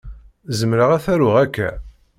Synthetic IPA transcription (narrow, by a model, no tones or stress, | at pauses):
zəmɾəʁæθæɾʊʁækːæ̰